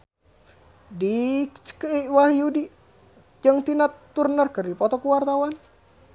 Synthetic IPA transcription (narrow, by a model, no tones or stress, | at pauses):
dikt͡ʃə̥kəiwaɦiudi | d͡ʒaŋt̪inat̪ːurnərkərdipɔt̪ɔkuwart̪awan